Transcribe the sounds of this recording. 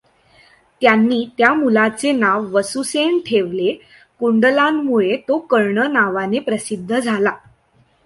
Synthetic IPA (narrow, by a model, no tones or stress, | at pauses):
t̪janːiːt̪jamulat͡senaʋːəsuseɳʈʰeʋle | kuɳɖəlamːuɭet̪okəɾɳənaʋanepɾəsid̪ʱːəd͡zʱala